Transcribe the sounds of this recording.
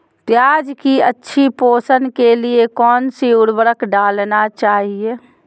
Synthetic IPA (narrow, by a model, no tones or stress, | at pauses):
t̪jaːd͡ʒkiətːʃʰipoːsənkeliekɔːnsiʊɽbəɾəkɖaːlnat͡ʃaːɦie